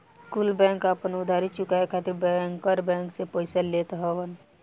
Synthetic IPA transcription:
skuːlbɛ̃ːŋkapənʊd̪ʱaːɾit͡ʃʊkaekʰat̪ɾbɛŋkəɾbɛ̃ːŋksepoɪsəllet̪ɦɔʋən

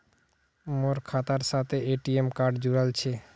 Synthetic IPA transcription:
moɾkʰat̪aɾʃat̪ʰeeʈiemkaɾɖd͡ʑuɾalt͡ɕʰe

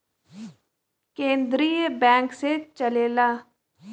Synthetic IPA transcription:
kẽːnd̪ɾiːəbɛ̃ːŋkseːt͡ʃəleːlaː

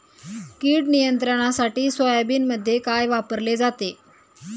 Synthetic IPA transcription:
kiːɽnijənt̪ɾəɽ̃asaʈiːsʋəjabiːnməd̪ʱːjekajʋapəɾled͡zat̪e

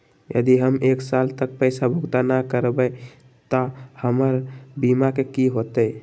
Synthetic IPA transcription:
jə̰d̪iɦəmeksalt̪ək̚pəɪsabʱuɡt̪anakəɾbə | t̪ɔhəməɾbimakekiɦot̪ə

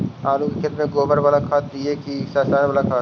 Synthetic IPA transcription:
aːlũkikʰɪt̪mẽɡoːbəɾbaːlakʰaːt̪̚d̪iekisaːsaːɾbaːlakʰaː

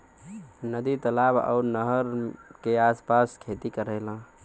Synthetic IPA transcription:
nəd̪it̪əlaba̰ʊɾnəɦəɾkeaspaskʰet̪ikəɾəlã

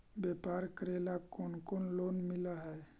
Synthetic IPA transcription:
bɛpaɾkəɾelakonkonlonmilaɦɛ

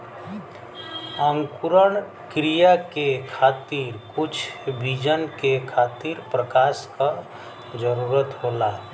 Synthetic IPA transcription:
əŋkuɾəɳ | kɾijakekʰaːt̪iːɾkʊt͡ʃʰbʱid͡ʒənkekʰaːt̪iɾpɾəkaːska | d͡ʒəɾuɾət̪ɦoːla

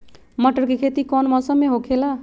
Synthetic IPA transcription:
mʌʈʌrkikʰet̪ikʌnmʌsʌmːeɦokʰela

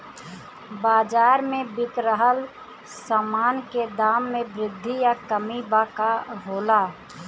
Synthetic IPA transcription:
baːd͡ʒaːɾmẽbɪkɾəɦəl | samaːnked̪aːmːẽbɾɪd̪ʱːijakəmibakaɦoːlaː

